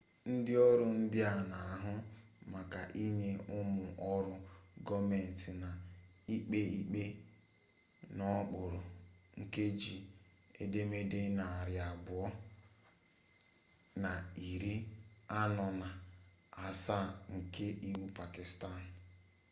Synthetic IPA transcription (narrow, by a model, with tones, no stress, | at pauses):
n̩˦dɪ˦ɔ˦ɾʊ˦n̩˦dɪ˦a˨na˨a˦ɦʊ˦ma˨ka˨ʔi˦ɲe˦ʊ˦mʊ˨ʔɔ˦ɾʊ˦ɡɔ˦me˨n̩˨tɪ˨na˨i˦k͡pe˦i˦k͡pe˦ | nɔ˦k͡pʊ˨ɾʊ˨ŋ̩˨ke˦d͡ʒi˨ | e˦de˦me˦de˦na˨a˨ɾja˨bʊ˨ɔ˦ | na˨i˨ɾi˦a˦nɔ˨na˨ | a˨sa˦˨ŋ̩˨ke˦ʔi˦wu˦pa˨ki˨sta˦˨n̩˨